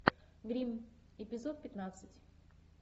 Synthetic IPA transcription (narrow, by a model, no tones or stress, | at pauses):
ɡɾʲimɪpʲɪzot̪̚pʲɪt̪nat̪sɨtʲ